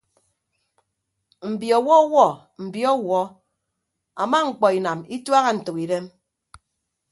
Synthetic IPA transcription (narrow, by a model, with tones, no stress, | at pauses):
m̩˨bji˨ɔ˨wɔ˦wɔ˦˨ | m̩˨bi˦ɔ˦wɔ˦ | a̰˨ma˦ŋ̩˨k͡pɔ˨i˨na˨mi˦twa˦ɣa˦n̩˨tɨ˨ki˨de˦m